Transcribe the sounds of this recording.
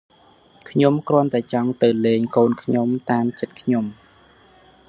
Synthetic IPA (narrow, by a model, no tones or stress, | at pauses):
kʰɲomkrŏənt̪aɛt͡ɕɑŋt̪ɨwleːŋkoːnkʰɲomt̪aːmt͡ɕət̪̚kʰɲom